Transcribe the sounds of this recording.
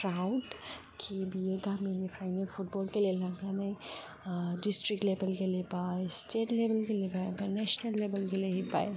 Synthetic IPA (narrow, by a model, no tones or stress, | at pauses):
kɾaʊɖ | kʰibieɡ̪aminipʰɾaːɪnefʰʊʈbɔːlkelielãɡanaĩ | ɖɪsʈɾik̚ʈlebəlkeliebaesʈeːʈlebəlkeliebaebanɛʃnəlːeːbəlkeleɦiba̰ːe